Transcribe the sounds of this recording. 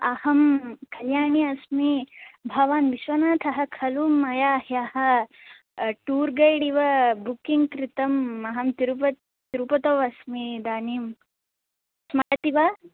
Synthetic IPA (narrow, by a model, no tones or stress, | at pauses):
ɐhɐmkʰɐljaːɳiɐsmibʱɐʋaːnʋiʃʋɐnaːt̪ʰɐɦɐ̆kʰɐluːmːɐjaːɦjahɐ̆ | ʈuːɾɡɐjɽiʋɐbukiŋɡkɾit̪ɐmːɐɦɐmt̪iɾupɐ | t̪iɾupɐt̪oːʋɐsmid̪aːniːm | smɐɽɐt̪iʋɐ